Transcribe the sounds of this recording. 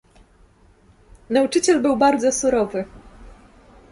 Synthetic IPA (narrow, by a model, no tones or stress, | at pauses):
naut͡ʂɘt͡ɕɛlbɘwbaɾd̪zɔsuɾɔvɘ